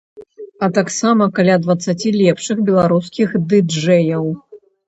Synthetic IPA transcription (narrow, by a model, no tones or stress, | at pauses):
ɐt̪aksamɐkalʲad̪vɐt̪sːat͡sʲilʲɛpʂɨxbʲɛlˠaɾuskʲixd̪ɨd͡ʐɛjɐw